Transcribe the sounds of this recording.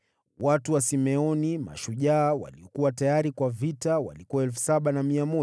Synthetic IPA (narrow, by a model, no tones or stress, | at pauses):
watuwasimɛɔnima̰ʃuʄaːwa̰liɔkuwatajaɾikwavitawa̰likuwaɛlfu̥saɓanamiamɔ